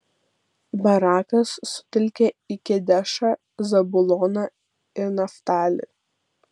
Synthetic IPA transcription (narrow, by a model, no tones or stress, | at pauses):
bɐɾɑːkɐsːʊ̥t̪ʲɪlʲkʲeɪkʲɪd̪ʲæʃɑ | zɐbʊlˠɔːnɑ | ɪɾnɐft̪ɑːlʲɪ̰